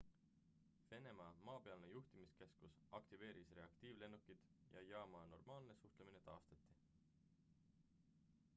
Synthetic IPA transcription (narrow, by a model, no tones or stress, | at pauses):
ve̞ne̞mɑmɑːpe̞ɑlnejuht̪imiske̞skus | ɑkt̪ive̞ːɾisre̞ɑkt̪iːvle̞nːukːid̪̥jʔɑ̰jɑːmɑno̞rmɑːlne̞suht̪lemine̞t̪ɑːst̪ɑt̪ːˑi